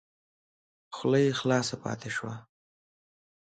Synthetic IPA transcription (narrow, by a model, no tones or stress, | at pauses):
xʊlajxlɑsapɑ̰t̪eʃwa